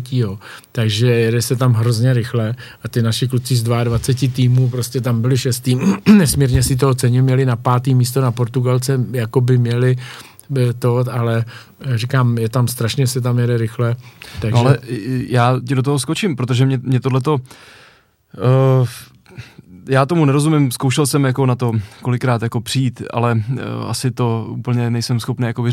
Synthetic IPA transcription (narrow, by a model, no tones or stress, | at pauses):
cijo̞t̪aɡʒɛjɛdɛsɛt̪amɦɾo̞zɲɛɾɪxlɛʔat̪ɪnaʃɪklut͡sɪzdvaadvat͡sɛcɪt̪iːmuːpɾo̞scɛt̪ambɪlɪʃɛst̪iːnɛsmiːɾɲɛsɪt̪̬oot͡sɛɲɪmɲɛlɪnapaːt̪iːmiːs̬t̪o̞napo̞ɾt̪uɡalt͡sɛjakobɪmɲɛlɪ | t̪oalɛ | rikaːmjɛt̪amst̪ɾaʃɲɛsɛt̪̬amjɛdɛɾɪxlɛt̪anoalɛjaːcɪdot̪oɦosko̞t͡ʃɪmpɾot̪o̞ʒɛmɲɛmɲɛt̪odlɛt̪̬o̞ | jaːt̪o̞munɛɾo̞zumɪmskowʃɛlsɛmjako̞nat̪o̞ko̞lɪkːɾaːt̪jako̞pr̝̥iːt̪ʔa̰lɛʔa̰sɪt̪o̞ṵːpl̩ɲɛnɛjsɛmsxo̞pnɛːjakovɪ